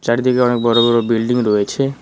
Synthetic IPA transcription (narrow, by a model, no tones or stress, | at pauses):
t͡ɕaɾd̪ʱikeɔnek̚bɔɾobɔɾobilɖiŋɾoet͡ɕʰe